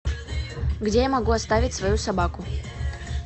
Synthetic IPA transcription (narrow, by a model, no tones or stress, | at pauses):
ɡdʲejamɐɡuɐst̪avʲɪtʲsvɐjusɐbakʊ